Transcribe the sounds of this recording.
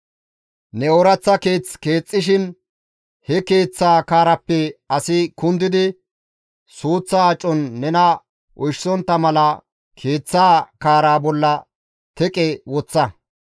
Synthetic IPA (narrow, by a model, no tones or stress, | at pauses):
nɛɔɾɐt͡sːɐke̞ːt͡ske̞ːt͡sʼːɪʃ̬ɪn | hɛke̞ːt͡sːaːkaːɾɐpːɛɐsɪkʊnd̪ɪd̪ɪ | suːt͡sːɐːt͡ʃʼːɔnːɛnɐ | ʔɔjʃsɔnt̪ːɐmɐlɐ | kʰe̞ːt͡sːaːkaːɾaːbɔlːɐ | t̪ɛkʼɛwɔt͡sːɐ